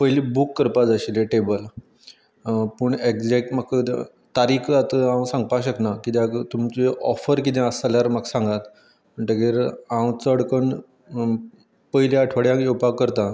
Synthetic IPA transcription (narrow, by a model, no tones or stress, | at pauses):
pəɦjlibukːəɾpad͡zəɕileʈebəl | pəɳekd͡zek̚ʈmak | t̪aɾiːkʰat̪əãwsãŋɡ̚paɕəknakit̪at̪umt͡ɕeʔɔfəɾk̬it̪ɛ̃əsaljaɾmaksãŋɡat̪ | əɳʈ̪əɡeɾãwt͡səəɽkəɳ | pəɦjlaəʈʰʋəɽjãkjewpakːəɾt̪ã